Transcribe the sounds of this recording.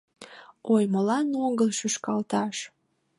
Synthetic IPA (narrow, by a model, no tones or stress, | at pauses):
ojmolɑnoɡəlʃyʃkɑlt̪ɑʃ